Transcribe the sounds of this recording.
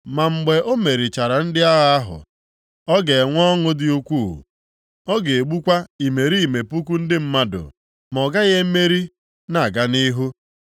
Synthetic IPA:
ma˨ŋ͡m̩˨ɡ͡be˨ʔo˦me˨ɾi˨t͡ʃa˨ɾa˨n̩˦dɪ˦a˦ɣa˦a˦ɦʊ̰˨ | ɔ˦ɡe˨ŋʷɔ˦ŋʊ˦dɪ˦u˦kʷuː˦˨ | ɔ˦ɡe˨e˨ɡ͡bu˦kʷa˦i˨me˨ɾi˦i˨me˨pu˦k̬u˦n̩˦dɪ˦m̩˦ma˦dʊ̰˨ | mɔ˨ɡa˦ɣe˦me˦ɾi˦ | na˨ɡa˦ni˦ɦu˦

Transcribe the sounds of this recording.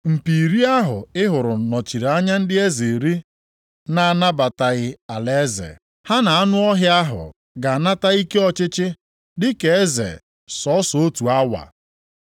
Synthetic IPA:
m̩˨pi˨ɾi˦a˦ɦʊ̰˨ɪ˦ɦʊ˨ɾʊ˨nɔ˨t͡ʃi˨ɾa˦ɲa˦n̩˦dɪ˦e˦ze˨ɾi˦ | na˨a˨na˦ba˨ta˨ɣɪ˨a˨le˦zḛ˨ | ha˦na˨a˦nʊ˦ɔ˦ɦjɪ˦a˦ɦʊ̰˨ | ɡa˨na˦ta˦i˦ke˦ɔ˦t͡ʃɪ˦t͡ʃɪ˦ | dɪ˦ke˨e˦zḛ˨ | sɔ˨˦so˦tu˨a˦wa̰˨

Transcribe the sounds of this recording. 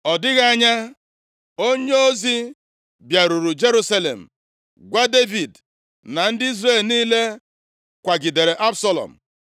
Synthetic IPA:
ɔ˨dɪ˦ɣa˦a˦ɲa˦ | o˦ɲe˦o˦zi˦ | bja˨ɾu˨ɾu˨d͡ʒe˦ɾu˦sa˦lḛ˨m̩˨ | ɡʷa˦de˦vi˨d | na˨n̩˦dɪ˦i˦zreː˦˨lniː˦le˦ | kʷa˨ɡi˨de˨ɾe˨ʔa˦bsɔ˦lɔ̰˨m̩˨

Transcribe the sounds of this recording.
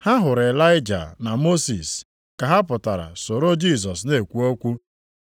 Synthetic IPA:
ha˦ɦʊ˨ɾe˨la˦ɪ˦d͡ʒa̰˨na˨mo˦si˨s | ka˨ɦa˦pʊ˨ta˨ɾa̰˨so˨ɾo˦d͡ʒi˦˨s̬ɔ˨sne˨kʷu˨o˦kʷu˦

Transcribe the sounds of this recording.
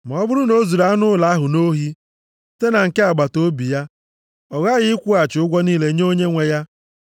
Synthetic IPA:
ma˨ɔ˦bʊ˦ɾʊ˦no˦zu˨ɾa˦a˦nʊ˦la˨˦ɦʊ˨no˦ɦi˦ | te˦na˨ŋ̩˨ke˦a˨ɡ͡ba˨to˦bi˨ja˦ | ɔ˨ɣa˦ɣɪ˦ɪ˦kʷu˦a˨t͡ʃʊ˦ɡʷɔ˦niː˦le˨˦ɲ˦o˦ɲe˦ŋʷe˨ja˦

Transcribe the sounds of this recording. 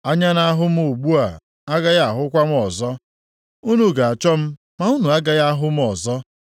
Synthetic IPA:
a˦ɲa˦na˦a˦ɦʊ˦m̩˦o˨ɡ͡bu˦a˨ | a˦ɡa˦ja˦a˨ɦʊ˦kʷa˦m̩˦ɔ˨zɔ˦ | u˦nu˨ɡa˨a˨t͡ʃɔ˦m̩˦ | ma˨˦u˦nu˨a˦ɡa˦ja˦a˦ɦʊ˦m̩˦ɔ˨zɔ˦

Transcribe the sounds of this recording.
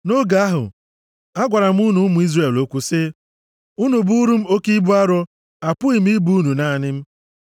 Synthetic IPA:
no˦ɡa˨˦a˦ɦʊ̰˨ | a˦ɡʷa˨ɾa˨m̩˦u˦nu˦mu˨˦i˦zre˨lo˦kʷu˦sɪ˦ | ʊ˦nu˨bu˦ɾu˦m̩˦o˦ki˦bu˦a˦ɾʊ˦ | a˨pʊ˦i˨m̩˦i˦bu˦u˦nu˨na˦˨nɪ˦m̩˦

